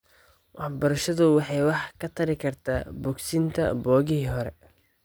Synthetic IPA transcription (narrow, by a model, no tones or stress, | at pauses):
wʔɑħbɐɾɐʃɐðʊwɑħɑjwɑħkʰɐt̪ʰɐɾɪkʰɐrt̪ʰa̰ːbɔɡsint̪ʰɐ̰bɔːɣɪɦiːɦɔɾɛ̰